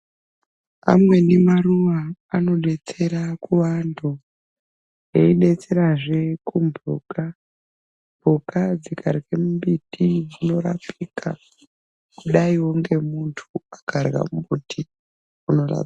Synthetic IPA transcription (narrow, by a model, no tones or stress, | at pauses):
a̰mwe̞nemaruʋaːno̞ɗe̞t͡se̞ɾakuʋando | jeiɗe̞t͡se̞ɾaʐe̞kumbʱo̰ka | mbʱokad͡zikʰarɣemumbitʰid͡zino̞ra̰pʰikʰa̰ | kuɗaiwoŋɡe̞muntʰuakʰarɣa̰mmbutʰi | uno̞ra̰